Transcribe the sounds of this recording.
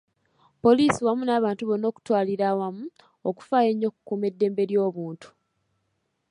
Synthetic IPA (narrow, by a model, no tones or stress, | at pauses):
po̞liːsiwamunaːβaːntuβo̞no̞ːku̥twaːliɾawamu | oku̥faːje̞ɲːo̞ku̥kuːme̞dːe̞ːmbe̞ɾjo̞ːβuːntu̥